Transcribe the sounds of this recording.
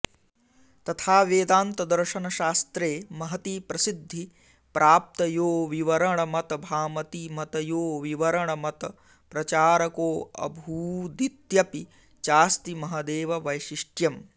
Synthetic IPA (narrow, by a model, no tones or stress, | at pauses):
t̪ɐt̪ʰaːʋeːd̪aːnt̪ɐd̪ɐɾʃɐnɐʃaːst̪ɾeːmɐɦɐt̪iːpɾɐsid̪ʱːi | pɾʔaːp̚t̪ɐjoːʋiʋɐɾɐɳɐmɐt̪ɐbʱaːmɐt̪imɐt̪ɐjoːʋiʋɐɾɐɳɐmɐt̪ɐ | pɾɐt͡ʃaːɾɐkoːɐ̰bʱuːd̪it̪jɐpi | t͡ʃaːst̪imɐɦɐd̪eːʋɐʋɐjʃiʂʈjɐm